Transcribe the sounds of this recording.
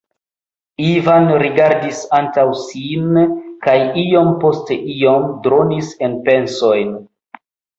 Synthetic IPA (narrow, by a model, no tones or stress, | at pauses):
ivanɾiɡaɾdisantawsinkajio̞mpo̞steʔio̞mdɾo̞nise̞npe̞nso̞jn